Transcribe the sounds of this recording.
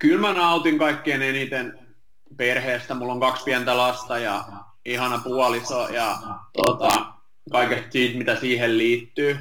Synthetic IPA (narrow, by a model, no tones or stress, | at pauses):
kylmænɑut̪iŋkɑikːeːnenit̪en | perheːst̪æmulːoŋkɑkspiænt̪ælɑst̪ɑjɑ | ihɑnɑpuɑlisojɑt̪o̰t̪ɑ | kɑikest̪siːt̪mit̪æsiːhelliːt̪ːyː